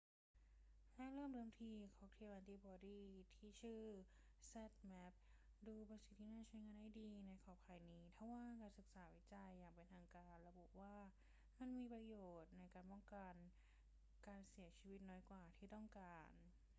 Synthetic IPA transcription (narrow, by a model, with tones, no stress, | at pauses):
lɛ˦˥ɾɤː˥˩˨mɾɤː˧˩˨mt̪ʰiː˧kʰɔː˨˦ŋt̪ʰiː˧mʔa˧t̪iː˧˩bɔː˧diː˥˩t̪ʰiː˥˩t͡ɕʰɯː˥˩ | sɛ˧˩t̪̚mɛ˦˥p̚ | duː˧bɔ˧nsi˨˩t̪ʰːiː˥˩naː˥˩t͡ɕʰu˦˧˥jŋaː˧nha˥˩jdiː˧na˧jkʰɔː˨˩pʰaː˧˩jniː˦˥t̪ʰa˧˩waː˥˩kaː˧nsɯ˨˩k̚saː˩˦wi˦˥t͡ɕa˧jːaː˨˩ŋpe˧nt̪ʰaː˧ŋkaː˧nɾa˧bu˨˩ʔwaː˥˩ | ma˧˥˨nmiː˧pɾa˧joː˨˩t̪̚na˧jkaː˧npɔ˥˩ŋka˧n | kaː˧nsi˩˦ɐt͡ɕʰiː˧wi˦˥t̪̚nɔː˦˥jkwaː˨˩t̪ʰiː˥˩t̪ɔ˥˩ŋkaː˧n